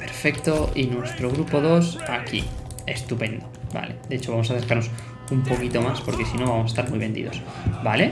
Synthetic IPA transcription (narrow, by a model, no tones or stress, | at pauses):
peɾfekt̪oʔinwest̪ɾoɣ̞ɾupoðosakḭ | est̪upẽnd̪oba̰led̪et͡ʃoβamos̬aθeskaɾnos | umpokit̪omaspoɾkesinõmbamosest̪aɾmujβend̪ḭðos | bale